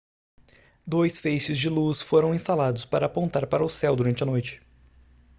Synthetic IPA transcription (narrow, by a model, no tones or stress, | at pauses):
d̪ojsfejʃɪzd͡ʒɪlusfoɾɐ̃w̃ĩst̪alad̪ʊspaɾɐːpõnt̪aɾpaɾɐʊsɛwd̪uɾɐ̃nt͡ʃɪɐnojt͡ʃɪ̥